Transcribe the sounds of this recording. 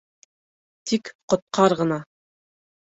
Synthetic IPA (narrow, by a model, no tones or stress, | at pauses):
t̪ʰikqŏt̪̚qʰɑɾʁɤ̆nɑ